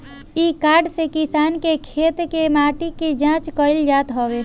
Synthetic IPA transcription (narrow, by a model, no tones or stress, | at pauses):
iːkaːɾɖsekɪsaːnkekʰeːt̪kemaːʈikid͡ʒãːt͡ʃkɔɪld͡ʒaːt̪ɦoːʋe